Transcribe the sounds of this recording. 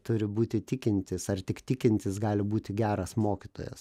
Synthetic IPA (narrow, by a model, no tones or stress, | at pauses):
t̪ʊɾʲɪbuːt̪ʲɪt̪ʲɪkʲɪnʲt̪ʲɪsɐrt̪ʲɪkt̪ʲɪkʲɪnʲt̪ʲɪsɡɑːlʲɪbuːt̪ʲɪɡʲæːɾɐsmoːkʲɪt̪o̰ːjɛ̰s